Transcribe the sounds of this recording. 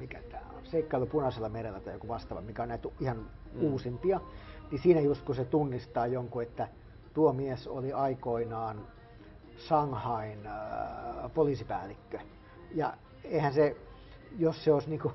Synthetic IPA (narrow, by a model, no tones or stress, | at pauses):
mikæ̰t̪æːo̰nseikːɑilupunɑselːɑmerelːæt̪ɑjokuʋɑst̪ɑʋɑ̰mikæonnæit̪ihɑnuːsimpiɑnisiːnæjust̪̚kuset̪unːist̪ɑːjoŋkuet̪ːæ | t̪uomieso̰liɑikoinɑːn | sɑŋhɑin | poliːsipæ̰ːlːikːø | jɑ̰ | eihænse | josseoisniːŋku